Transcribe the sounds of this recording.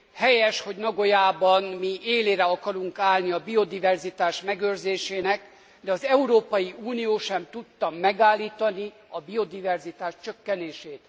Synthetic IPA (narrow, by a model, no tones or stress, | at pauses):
hɛjɛʃho̞ɟnɒɡo̞jaːbɒnmieːleːɾɛɒkɒɾuŋkaːlniɒbio̞d̪ivɛrzit̪aːʃmɛɡørzeːʃeːnɛk | d̪ɛɒzɛuɾoːpɒjiuːnijoːʃɛmt̪ut̪ːɒmːɛɡaːlːiːt̪ɒni | ɒbio̞d̪ivɛrzit̪aːʃt͡ʃøkːɛneːʃeːt̪